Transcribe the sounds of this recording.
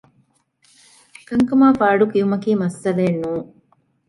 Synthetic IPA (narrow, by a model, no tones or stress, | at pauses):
kɐŋkɐmaːfaːɖukijumɐkiːmɐsːɐleːnːuːŋ